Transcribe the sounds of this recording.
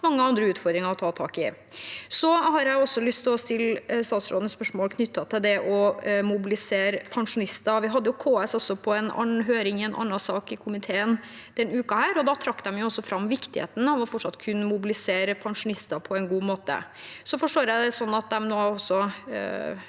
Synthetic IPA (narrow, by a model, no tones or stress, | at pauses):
mɑŋːəɑnd̪ɾəʉːt̪fɔɾd̪ɾɪŋɑɔt̪ʰɑːt̪ʰɑ̰ːkɪ | sɔɦɑɾjæɪɔsːɔlʏst̪ʰlɔst̪ɪlst̪ɑːt̪sɾo̰ːd̪nəspœʂmoːlkʰnʏt̪ːɑt̪ʰɪld̪ɛʔɔmʊbɪlɪseːɾəpʰɑŋʂʊnɪst̪ɑʋɪɦɑd̪ːəjʊkʰoːɛsɔsɔpʰɔɛnɑ̰nɦøːɾɪŋɪɛnʔɑ̰nːɑsɑːkɪkʰʊmɪt̪ʰeːən | d̪̥ɛnʉːkɑhæːɾɔd̪ɑt̪ʰɾɑkːd̪ɛmjʊɔsːɔfɾɑmːʋɪkt̪ɪhḛːt̪nhɑmʋɑɾfɔʈʂɑt̪ːkʰʉnːmʊbɪlɪseːɾəpʰɑŋʂʊnɪst̪ɑpʰɔɛɪnɡuːmoːt̪ə̰ | sɔfɔʂʈoːɾjæɪd̪ɛsɔnːɑt̪̚d̪ɛmnoːɔsːɔ